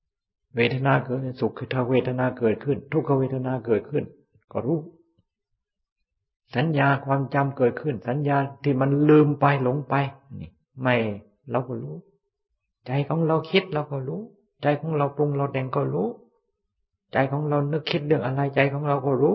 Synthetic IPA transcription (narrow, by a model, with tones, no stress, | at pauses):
weː˧˩t̪ʰa˧naː˧˨kɤː˨˩t̪̚ːsu˨˩kʰːt̪ʰaː˧weː˧˩t̪ʰa˧naː˧kɤː˨˩t̪̚kʰɯ˧˩nt̪ʰu˧˩kʰːa˧weː˧˩t̪ʰa˧naː˧kɤː˨˩t̪̚kʰɯ˧˩n | kɔː˧˩ɾuː˦˥˩ | sa˨˦njaː˧kʰwaː˧mt͡ɕa˧mkɤː˨˩t̪̚kʰɯ˧˩nsa˨˦njaː˧t̪ʰiː˧˩ma˧˨nlɯː˧mpa˧jlo˨˧˥ŋpa˧jniː˧˩ | ma˧˩j | ɾa˧wkɔː˧˩ɾuː˧˥ | t͡ɕa˧jkʰɔː˨˦ŋɾa˧wkʰi˧˥t̪̚ɾa˧wkɔː˧˩ɾuː˦˥˨ | t͡ɕa˧˩jkʰɔː˨˦ŋɾa˧˩wplo˧ŋla˧wtɛ˧˩ŋkɔː˧˩ɾuː˦˥˨ | t͡ɕa˧˩jkʰɔː˨˦ŋɾa˧wnɯ˧˩kʰːe˧˥t̪̚lɯ˧˩əŋʔa˧ɾa˧jt͡ɕa˧jkʰɔː˨˦ŋɾa˧wkɔː˧˩ɾuː˦˥˨